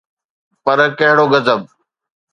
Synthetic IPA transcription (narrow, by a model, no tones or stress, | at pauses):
pɐɾkɐɦɪɽoɡɐzəb̚